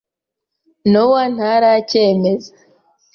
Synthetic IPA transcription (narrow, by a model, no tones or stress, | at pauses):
nowan̥aɾaceːme̞zḁ